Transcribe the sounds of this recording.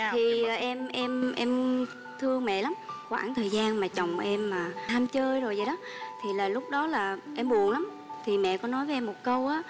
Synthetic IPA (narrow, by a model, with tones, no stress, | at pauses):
t̪ʰi˨˩˨ʔɛ˧mʔɛ˧mʔɛ˧m | t̪ʰɨ˧əŋmɛ̰˧˨la˨˦mxwaː˧˩ŋt̪ʰəː˨˩jzaː˧nmaː˨˩t͡ɕə˨˩wŋ͡mʔɛ˧mːaː˨˩t̪ʰaː˧mt͡ɕəː˧jzo˨˩jzə˨˩jɗɔ˨˦ | t̪ʰi˨˩laː˨˩lʊ˦˥k͡p̚ɗɔ˨˦laː˨˩ʔɛ˧mɓu˨˩ənla˨˦m | t̪ʰi˨˩mɛ̰˧˨kɔ˨˦nɔ˨˦jvə˨˦ʔɛ˧mo˨˩t̚kə˧wʔaː˨˦